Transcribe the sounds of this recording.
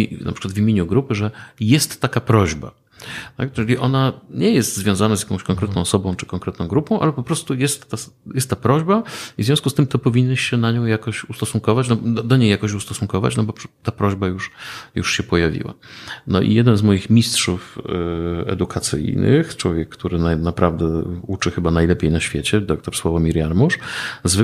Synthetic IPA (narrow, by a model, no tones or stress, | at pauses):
na̰pʂɘ̥kwad̪vimʲeɲuɡɾupɘʐɛjɛst̪ːakapɾɔʑba̰ | t̪a̰k̚ʈ͡ʂɨlʲiʔɔnaɲɛjɛst̪zvʲjɔ̃zanazjakɔ̃w̃ɕkɔ̃ŋkɾɛt̪nɔ̃w̃ɔsɔbɔ̃w̃t͡ʂɨ̥kɔŋkɾɛt̪nɔ̃w̃ɡɾupɔ̃w̃ʔa̰lɛpɔpɾɔst̪ujɛst̪ːa | jɛst̪ːapɾɔʑbaivzvʲjɔ̃skust̪ɘmt̪ɔpɔvʲiɲnɛɕɕɛnaɲɔ̃w̃jakɔɕust̪ɔsuŋkɔvat͡ɕnɔd̪d̪ɔɲejːjakɔɕust̪ɔsuŋkɔva̰t͡ɕnɔbɔt̪apɾɔʑbajuʂjṵʂɕɛpɔjavʲḭwa̰nɔ̰ʔḭjɛd̪ɛnzmɔjixmʲistʂuf | ɛ̰d̪ukʰat̪sɘ̰jnɘ̰xt͡ʂwɔvʲjɛkːt̪uɾɘnanapɾavd̪ɛut͡ʂɘxɘbanajlɛpʲjejnaɕfʲjet͡ɕɛd̪ɔk̚t̪ɔɾswɔvɔmʲiɾjaɾmuʂzv